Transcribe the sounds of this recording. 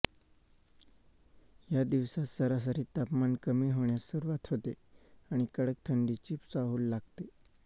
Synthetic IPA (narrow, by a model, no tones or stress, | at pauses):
jad̪iʋsasəɾas̬əɾiːt̪apmankəmiɦoɳjasəɾuʋat̪ɦot̪eaɽ̃ikəɽək̚t̪ʰəɳɖ̪iːt͡ɕipt͡saɦuːlːaɡt̪e